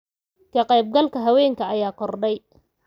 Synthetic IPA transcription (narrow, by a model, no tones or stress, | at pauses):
kʰɐqɛjb̚ɡɐlkʰɐɦɐwɛːŋkʰɐɐjaːkʰɔrɖɛj